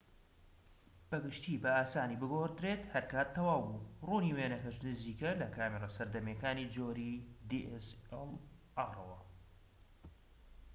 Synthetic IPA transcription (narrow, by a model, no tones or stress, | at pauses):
b̥ɐɡɨʃt̪iːbɐaːsaːniːbɨɡoɾd̪ɾeːt̪hɐɾkaːt̪ʰːɐwaːwburuːniweːnɐkɐʃnɨziːkɐlɐkʰaːmeɾˤɑsɐɾd̪ɐmjɛkaːnid͡ʒoːɾid̪iʔɛsɛlʔaːrˤɐwɐ